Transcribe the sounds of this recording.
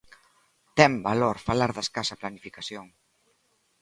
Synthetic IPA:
t̪ɛmbaloɾfalaɾðeskasaplanifikasjoŋ

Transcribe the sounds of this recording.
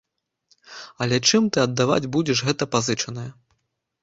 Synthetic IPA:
ɐlʲɛt͡ʂɨmt̪ɨɐd̪ːava̰d͡zʲbud͡zʲɛʂɣɛt̪ɐpazɨt͡ʂɐnɐjɐ

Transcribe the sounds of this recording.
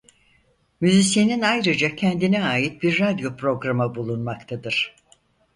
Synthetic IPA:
myzisje̞ninajɾɯd͡ʒacʰɛnd̪inɛaːjit̪̚biɾːad̪jo̞pɾo̞ɡɾamabulˠunmakt̪ʰad̪ɯɾ̥

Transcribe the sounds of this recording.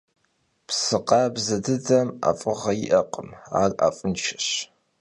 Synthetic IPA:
psɨqɑbzɐdɨdɐma̰fʼɨʁɐjɪʔɐqʼəma̰ːra̰ːfʼɨnt͡ʃʰɐ̥ɕ

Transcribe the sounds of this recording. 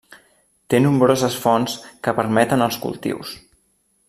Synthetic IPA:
t̪enumbɾozəsfɔnskəpəɾmɛt̪ənəlˠskṵlˠt̪ḭws

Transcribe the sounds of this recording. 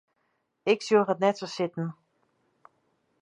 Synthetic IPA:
ɪksjoːxətnɛtsosɪtn̩

